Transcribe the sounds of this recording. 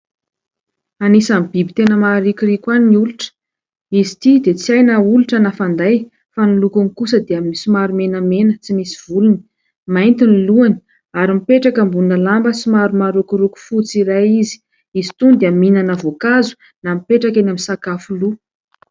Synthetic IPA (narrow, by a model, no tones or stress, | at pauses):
anisamb̥ibit̪enəmaɾikʲirikʲwaniniuluʈ͡ʂə̥ | izit̪id̪et͡siajnauluʈ͡ʂənafand̪aj | fanilukunikusəd̪eaminisimaɾumenəmenət͡simisiv̥uluni̥ | majnt̪iniluani̥ | aɾimipeʈ͡ʂakambuunəlambəsimaɾumaɾukuɾuku̥fut͡siɾajizi̥ | izit̪und̪eaminanəvokazu̥ | namipeʈ͡ʂakanaminsakafulu